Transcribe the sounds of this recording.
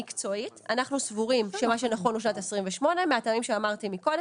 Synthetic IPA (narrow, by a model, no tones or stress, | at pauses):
ikt͡so̞itanaχnusvuʁimʃemaʃ̬enaχo̞nluʃ̬nat̪esʁimveʃmo̞ne̞meatamimʃeamaʁt̪imiko̞d